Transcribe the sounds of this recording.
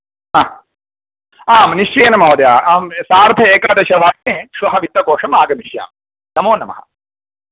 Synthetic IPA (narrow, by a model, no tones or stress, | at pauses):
aː | aːmniʂt͡ʃeːnɐmɐːd̪jaːaːmsaːɾt̪ɐeːkaːd̪eɕɐʋaːkneːʂuɦɐʋit̪ːɐkoːʂɐmaːɡɐmiʃja̰ːm | nɐmoːnːɐmɐ̰ɦɐ̰